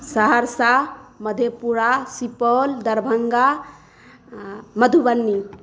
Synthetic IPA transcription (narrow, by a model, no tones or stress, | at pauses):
səɦəɾsaməd̪ʱepuɾasipɔld̪əɾbʱəŋɡa | məd̪ʱubənːi